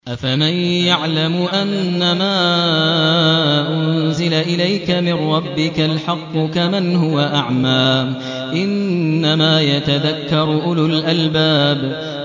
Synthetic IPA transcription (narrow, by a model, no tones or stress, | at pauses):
ʔafamanjaʕlamʊʔanːamaː | ʔʊnzɪlaʔɪlajkamɪnɾˤɑbːɪkalħɑqːʊkamanhʊwaʔaʕmaː | ʔɪnːamaːjat̪aðakːɑɾˤʔʊlʊlʔalbaːb